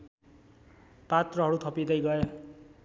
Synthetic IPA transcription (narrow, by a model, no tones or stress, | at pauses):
pat̪rʌɦʌɾut̪ʰʌpid̪ʌjɡʌe